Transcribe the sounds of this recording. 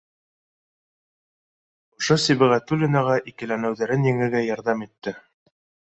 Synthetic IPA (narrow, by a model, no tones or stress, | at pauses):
ŏʃosiβɘ̆ʁæt̪ulʲɪnɑʁɑʔikɘ̆lænɘ̆wðæɾɘnjɘ̆ŋɘ̆ɡæjɑɾðɑmit̪ːɘ